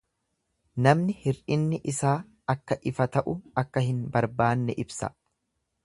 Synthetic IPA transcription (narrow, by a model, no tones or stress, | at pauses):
nɐmnɪhɪɾɪnːɪʔɪsaː | ɐkːɐʔɪfɐt̪ɐʔʊɐkːɐhɪnbɐɾbaːnːɛʔɪbsɐ̰